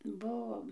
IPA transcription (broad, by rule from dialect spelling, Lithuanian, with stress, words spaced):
ˈbʊʋoːm